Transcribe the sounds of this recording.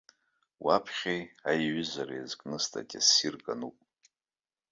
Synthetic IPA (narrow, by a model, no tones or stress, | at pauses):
wapʰχʲejajɥʏzaɾajazkʼnɨstʰʼa̰tʲʼasirkʼanupʼ